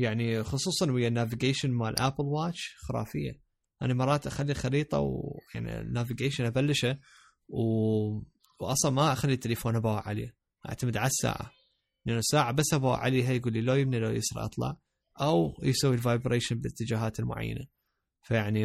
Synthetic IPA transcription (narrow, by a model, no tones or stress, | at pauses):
jaʕnixʊsˤuːsˤɑnwɪjːanːavɪɡeːʃɪnmalʔapɪlwaːt͡ʃxɪɾa̰ːfɪjːa̰ | ʔa̰namɑrˤːɑːt̪ʔaxalːixɑɾiːt̪ˤɑ̰wja̰ʕnḭnːaːvɪɡeːʃɪnʔabalːɪʃa | w | wʔɑsˤɑlmaʔaxalːit̪ːalafoːnabawaʕa̰lḛː | ʔa̰ʕt̪amɪd̪ʕalasːa̰ːʕa̰ | nʔanːasaːʕabasːʔabawa̰ʕa̰leːɦajɡuːlːilojɪb̚nilo̰jɪ̰sɾ̰ʔɑ̰t̪ˤlɑ̰ʕ | ʔawjsawːilvaːjbɾeːʃɪnbɪt̪ːɪd͡ʒaːɦaːt̪ɪlmʊ̰ʕa̰jːa̰na | fajaʕni